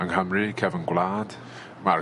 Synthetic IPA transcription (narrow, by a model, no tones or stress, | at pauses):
aŋhəmrɨkʰɛvənɡwlˠaːd̥ | mar